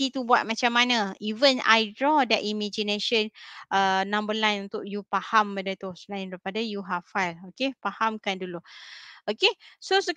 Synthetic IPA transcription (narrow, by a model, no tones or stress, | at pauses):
it̪ubuat̚mat͡ʃamːanãivəna̰jdɹɔdɛʔimãd͡ʒineʃənənãmbəlãjnunt̪ʊʔ̚jupahambədət̪uslaɪ̃ndɾipadajuɦaffajlokepahamkanduluokesosə